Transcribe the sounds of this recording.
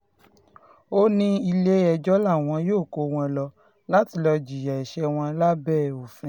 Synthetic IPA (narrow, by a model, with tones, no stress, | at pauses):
o˦nĩ˦i˧le˦ɛ˧d͡ʒɔ˦la˦˨w̃ɔ̃˧˦joː˦˨ko˧˦w̃ɔ̃˧lɔ˧ | la˦ti˧lɔ˧d͡ʒi˨ja˨ɛ˨ʃɛ˧˦w̃ɔ̃˧la˦bɛ˦˨o˨fɛ̃˨˦